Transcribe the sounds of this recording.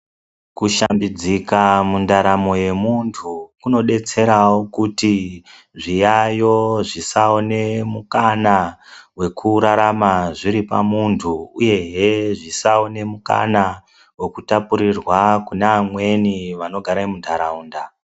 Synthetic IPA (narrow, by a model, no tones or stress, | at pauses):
kuʃambid͡zikamundaɾamo̞je̞muntʰukuno̞ɗe̞t͡se̞ɾawokuti | ʐijajo̞ʐisao̞ne̞mukanawe̞kʰuɾaɾamaʐiɾipa̰muntʰuuje̞ɦeʐisaone̞muka̰na | we̞kutapuɾirwakunaamwe̞niʋano̞ɡʱaɾaimundʱaɾauːnda